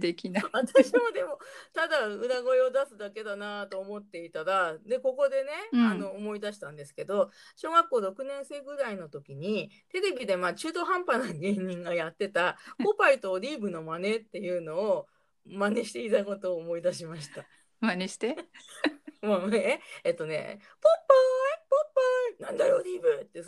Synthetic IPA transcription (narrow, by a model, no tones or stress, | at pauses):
d̪ekʲinaβat̪aɕimo̞d̪e̞mo̞t̪ad̪aɯ̟naɡo̞iod̪asɨd̪ake̞d̪anat̪o̞ːmo̞t̪ːe̞it̪aɾad̪e̞ko̞ko̞d̪e̞ne̞ano̞ːmo̞id̪aɕi̥t̪ãnd̪e̞sɨ̥ke̞d̪o̞ɕo̞ːɡakːo̞ːɾo̞kɯ̟nẽ̞ɰ̃se̞ːɡɯ̟ɾaino̞t̪o̞kʲiɲ̟it̪e̞ɾe̞bʲid̪e̞mat͡ɕɨːd̪o̞ɦãmpanaɡe̞ːɲ̟ĩŋɡajat̪ːe̞t̪apopait̪o̞ɾʲiːbɯ̟no̞mane̞t̪ːe̞jɯ̟ːno̞ː | mane̞ɕi̥t̪e̞it̪ako̞t̪o̞ːmo̞id̪aɕimaɕi̥t̪a | maneɕi̥t̪e | mamaneet̪ːo̞ne̞̰ | popːaipopːainãnd̪ajo̞ɾʲiːbɯ̟t̪ːe